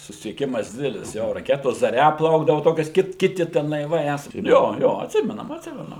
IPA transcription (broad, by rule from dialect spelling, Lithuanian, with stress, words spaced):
sʊsʲɪsʲiɛˈkʲɪmɐs ˈdʲɪdʲɛlʲɪs joː rɐˈkʲæːtoːs zɐˈrʲɛ ˈplˠɐʊɡdɐʋoː ˈtoːkʲɛs ˈkʲɪt ˈkʲɪtʲɪ tʲɛn lˠɐɪˈʋɐɪ ˈæːsɑː ˈjoː ˈjoː ɐtʲˈsʲɪmʲɛnɐm ɐtʲˈsʲɪmʲɛnʊ